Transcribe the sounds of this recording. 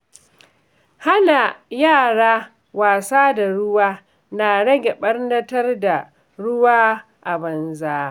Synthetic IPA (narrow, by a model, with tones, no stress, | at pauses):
ha˦na˨jaː˦˨ɽaː˦ | waː˨saː˦da˨ɽʊ˦waː˦ | na˨ɽɐ˦ɡʲɛ˨ɓɐ˦rdɐ˦tɐ˦rda˨ | ɽʊ˦waː˦ | ʔa˨bɐ˨nzaː˦